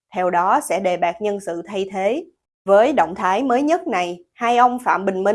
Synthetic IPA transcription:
t̪ʰɛ˧wɗɔ˨˦sɛ̰˧˥ɗe˨˩ɓaː˨˩k̚ɲə˧nsɨ̰˧˨t̪ʰa˧jt̪ʰe˨˦ | vəː˨˦jɗo̰˧˨wŋ͡mt̪ʰaː˨˦jməː˨˦jɲə˦˥t̚na˨˩j | haː˧jʔə˧wŋ͡mfa̰ː˧˨mɓï˨˩ŋ̟mï˧

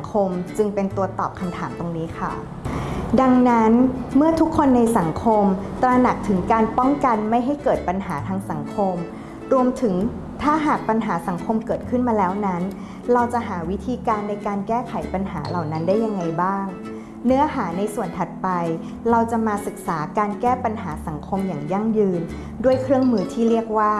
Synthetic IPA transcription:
ŋkʰo˧mt͡ɕɯ˧ŋpe˧nt̪u˧ɐt̪ɔ̰ː˨˩p̚kʰa˧mt̪ʰaː˩˦mt̪o˧ŋniː˦˥kʰa˥˩ | da˧ŋna˦˥nmɯ˥˩ɐt̪ʰu˦˥kʰːo˧nːa˧jsa˩˦ŋkʰo˧mt̪ɾa˧na˨˩k̚t̪ʰɯ˩˦ŋkaː˧npɔ˥˩ŋka˧nma˥˩jɦa˥˩jkɤː˨˩t̪̚pa˧nɦaː˩˦t̪ʰaː˧ŋsa˩˦ŋkʰo˧m | ɾu˧əmt̪ʰɯ˩˦ŋ | t̪ʰaː˥˩ɦaː˨˩k̚pa˧nɦaː˩˦sa˩˦ŋkʰo˧mkɤː˨˩t̪̚kʰɯ˥˩nmaː˧lɛː˦˥wna˦˥n | ɾa˧wt͡ɕa˨˩ʔɦaː˩˦wi˦˥t̪ʰiː˧kaː˧nːa˧jkaː˧nkɛː˥˩kʰa˩˦jpa˧nɦaː˩˦la˨˩wna˦˥ndaː˥˩ja˧ŋːa˧jbaː˥˩ŋ | nɯ˦˥ɐɦaː˩˦na˧jsu˨˩ənt̪ʰa˨˩t̪̚pa˧j | ɾa˧wt͡ɕa˨˩maː˧sɯ˨˩k̚saː˩˦kaː˧nkɛː˥˩pa˧nɦaː˩˦sa˩˦ŋkʰo˧mjaː˨˩ŋja˧˥˩ŋjɯː˧n | du˥˩əjkʰɾɯ˥˩əŋmɯː˧t̪ʰiː˥˩ɾi˥˩ək̚waː˥˩

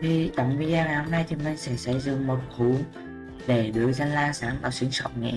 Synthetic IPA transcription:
t̪ʰi˨˩t͡ɕə̰˨˧˨wŋ͡mvi˧ɗaː˧naː˨˩ho˧mna˧jt̪ʰi˨˩mï˨˩n̟sɛ̰˧˥sə̰˧˩zɨ̰˧˨ŋmo˨˩t̚xʰu˨˧˦ŋ | ɗe˧˩ɗɨ˨˩əza˧nlaː˧saː˨˦ŋvaː˧˩si˨˧˦əŋsə˧˩wk͡p̚ŋḭ˧˨

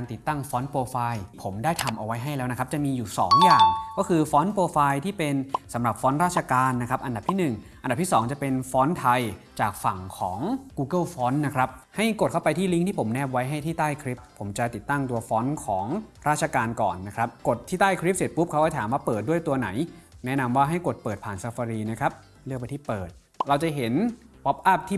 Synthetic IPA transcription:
aː˧nt̪i˨˩t̪ːa˥˩ŋfɔː˦˥npoː˧faː˧jpʰo˩˦mdaː˥˩jt̪ʰa˧mʔa˧wa˦˥jɦa˥˩jlɛː˦˥wna˦˥kʰɾa˥p̚t͡ɕa˨˩ʔmiː˧juː˨˩sɔː˩˦ŋjaː˨˩ŋkɔː˥˩kʰɯː˧fɔː˦˥npoː˧faː˧jt̪ʰiː˥˩pe˧nsa˩˦mɾa˨˩p̚fɔː˦˥nɾaː˥˩t̚t͡ɕʰa˧kaː˧nːa˦˥kʰɾa˦˥ʔa˧nda˨˩p̪̚ʰiː˥˩nɯ˨˩ŋʔa˧nda˨˩pt̪ʰi˥˩sɔː˩˦ŋt͡ɕa˨˩pe˧nfɔː˦˥nt̪ʰa˧jt͡ɕaː˨˩k̚fa˨˩ŋkʰɔː˩˦ŋkuː˧kɤ˥˩fɔː˦˥nːa˦˥kʰɾa˦˥p̚ha˥˩jko˨˩t̪̚kʰa˥˩wpa˧jt̪ʰiː˥˩li˦˥ŋt̪ʰiː˥˩pʰo˩˦mnɛː˥˩p̚wa˦˥jɦa˥˩jt̪ʰiː˥˩t̪aː˥˩jkʰɾi˦˥p̚ʰːo˩˦mt͡ɕa˨˩t̪i˨˩t̪ːa˥˩ŋt̪u˧ɐfɔː˦˥nkʰɔː˩˦ŋɾaː˥˩t̪̚t͡ɕʰaː˧kaː˧nkɔ̰ː˨˩nːa˦˥kʰɾa˦˥p̚ko˨˩t̪ʰːiː˥˩t̪aː˥˩jkʰɾi˦˥p̚se˨˩t̪̚pʰu˦˥p̚kʰa˦˥kɔ˥˩t̪ʰaː˨˩˦mwaː˥˩pɤː˨˩t̪̚du˥˩əjt̪u˧ɐna˩˦jnɛ˦˥na˧mwaː˥˩ɦa˥˩jko˨˩t̪̚pɤː˨˩t̪̚pʰaː˨˩nsa˧fa˧ɾiː˧na˦˥kʰɾa˦˥p̚ | lɯ˥˩ək̚pt̪iː˥˩pɤː˨˩t̪̚ | ɾa˧wt͡ɕa˨˩ɦe˩˦n | pɔ˦˥p̚ʔa˥˩p̚t̪ʰiː˥˩

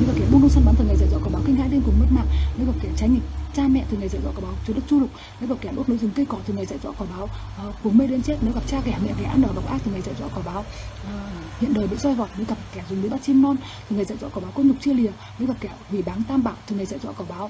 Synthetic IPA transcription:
ə˨˧˦ɣa˨˩kɛ˧˩ɓu˧nkə˧ŋ͡msa˧nɓaː˧˦nt̪ʰə˨˩ŋa˨˩za̰˧˨zɔ˧˥kɔː˧˩ɓːwki˧ŋ̟haː˧˥jlnku˨˩əŋmə˦˥t̚ma̰ː˧˨ŋnː˨˦ɣa˨˩p̚kɛ˧˩t͡ɕa˨˦jɲi˨˩p̚t͡ɕaː˧mɛ̰˧˨t̪ʰŋa˨˩jza̰˧˨zɔ̰˧˥kɔ˧˩ɓaː˨˦˨t͡ɕu˨˧˦ɗə˦˥zu˧lʊ˨˩k͡p̚ | nː˨˦ɣa˨˩p̚kɛ˧˩ɗo˦˥t̚no˨˦jzɨ˨˩˦ŋkə˧kɔ˧˩t̪ʰɨ˨˩ŋa˨˩jza̰ː˧˨jzɔ̰˧˥kɔ˧˩ɓaː˨˦w | ku˨˩əŋme˧ɗe˨˦nt͡ɕe˦˥t̚ne˨˦ɣa˨˩p̚t͡ɕaː˧kɛ˧˩mɛ̰˧˨kɛ˧˩ʔaː˧nɗəː˨˩ɓa˨˩w̚ʔaː˦˥t̪ʰŋa˨˩jza̰ː˧˨jzɔ̰˧˥kɔ˧˩ɓaː˨˦w | hḭ˧˨ənɗəː˨˩ɓḭ˧˨zɔ˧jɣɔ˨˩t̚nə˨˧˦ɣa˨˩p̚kɛ˧˩zʊ˨˩ŋ͡mɓi˨˦ɓa˦˥t̚t͡ɕi˧mnɔ˧n | t̪ʰŋa˨˩za̰ː˧˨jzɔ̰˧˥kɔː˧˩ɓaː˨˦ko˧ɲʊ˨˩k͡p̚t͡ɕi˧əli˨˩ə | nə˨˦ɣa˨˩p̚kɛ˧˩hwi˧˩ɓaː˨˦ŋt̪aː˧mɓa̰ː˧˨wt̪ʰɨ˨˩ŋa˨˩jza̰ː˧˨jzwɔ̰˧˥kɔ˧˩ɓaː˨˦w

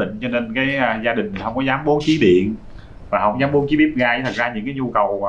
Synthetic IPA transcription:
ḭ˧˨ŋ̟t͡ɕɔ˧ne˧nkaː˨˦ja˨zaː˧ɗï˨˩ŋ̟˨˩hə˧wŋ͡mkɔ˨˦zaː˨˦mɓo˨˦nt͡ɕi˨˦ɗḭ˧˨ən | vaː˨˩ɦə̰˧˩wŋ͡mzaː˨˦mɓo˨˦nt͡ɕi˨˦ɓi˦˥əp̚ɣaː˧jt̪ʰk̚zaː˧ɲɨ̰˧˥ŋkaː˨˦jɲu˧kə˨˩w

